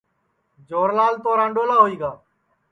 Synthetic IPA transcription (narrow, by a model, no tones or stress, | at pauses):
d͡ʒoːɾlaːlt̪oːɾãːɳɖoːlaːɦoːiːɡaː